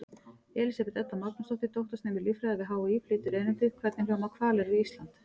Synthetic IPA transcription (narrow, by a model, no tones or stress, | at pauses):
ɛːlisapɛt̪ɛt̪ːamak̪nast̪ɔht̪ɪt̪owht̪ʏst̪nɛːmɪlifɾɛːaðɪɦaːwiːpʰlɪːt̪ʏɾɛjnɪnt̪ɪkʰvɛt̪nɪflamakʰvaːlɛɾiist̪lant̪